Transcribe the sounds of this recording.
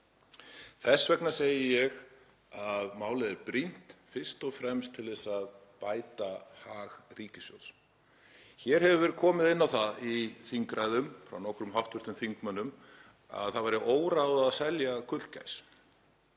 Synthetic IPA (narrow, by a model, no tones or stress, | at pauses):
θɛsːvɛknḁseːjɪjɛɣ | aðmaːwlɪðɛɾpɾin̥t̪fɪr̥st̪ɔfɾɛmst̪ʰːɪlðɛsað | paːjt̪ahaːɣriːcɪsjɔ̰w̪s | çɛɾ̥hɛvʏvɛɾkʰɔːmɪðɪnːawθaðiθiŋkɾajðʏmfɾa̰wnɔhkɾʏmɦawht̪vʏɾ̥t̪ʏmθiŋkmanːʏm | a̰ðθaðvajɾɪʔoːwɾawðaːðsɛljakʰʏt̪lca̰js